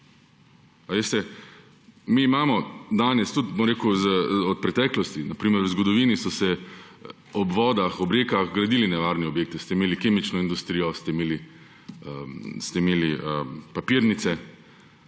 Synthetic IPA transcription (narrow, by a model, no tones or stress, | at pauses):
aʋest̪ɛ | miːmaːmɔd̪aːnɛst̪ut̪bomɾeːkuzəɔt̪̚pɾɛt̪ɛːklɔst̪inapɾiːməɾwzɡɔd̪ɔʋiːnisɔsɛ | ɔbʋɔːd̪axɔbɾeːkaxɡɾad̪iːlinɛʋaːɾnɛɔbjeːk̚t̪ist̪ɛimeːlikeːmit͡ʃnɔind̪ust̪ɾiːjɔst̪ɛimeːli | əst̪ɛimeːliəpapiɾnit̪sɛ